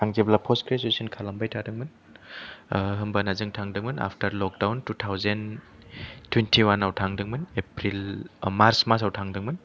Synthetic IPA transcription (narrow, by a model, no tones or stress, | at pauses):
aŋzeblapʰɔskɾesusinkʰalambajtʰadɯŋmɯn | ɦɯmbanazɯŋtʰaŋdɯŋmɯna̰pʰtʰɐɾlɔk̚dawntutʰawzen | tʰwentʰiwanawtʰaŋdɯŋmɯnepɾilmaɾsmasawtʰaŋdɯŋmɐn